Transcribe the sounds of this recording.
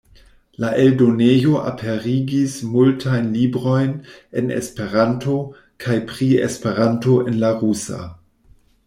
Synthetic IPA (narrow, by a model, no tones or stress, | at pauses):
laʔeldo̞nejo̞ʔa̰pʰeɾiɡismultʰajnlibɾo̞jnenḛspe̞ɾanto̞ | kʰajpɾiḛspe̞ɾanto̞ʔe̞nlaʁusa̰